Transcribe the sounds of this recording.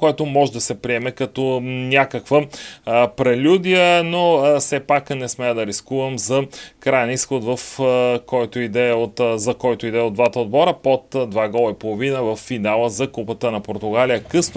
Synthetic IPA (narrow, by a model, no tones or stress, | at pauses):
koɛt̪omɔʒɛd̪ɐsɛpɾiɛmɛkɐt̪ɔnʲakəkvə | pɾɛlʲud̪iənosɛpaknɛsmɛəd̪ɐɾiskuvɐmzɐkɾajɛnisxot̪vɐfkɔjt̪oid̪ɛot̪zɐkɔjt̪oid̪ɛod̪d̪vat̪əod̪bɔɾəpot̪d̪vaɡɔlˠɐipolˠovinəvɐfːinalˠəzɐkupət̪ənɐpoɾt̪ʊɡalijəkɤsn